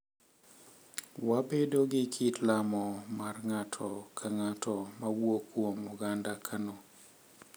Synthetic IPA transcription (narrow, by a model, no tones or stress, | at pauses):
wabedoɡɪkʰitlamɔmarŋatʰɔkʰaŋatɔmawwokwomuɡandakʰano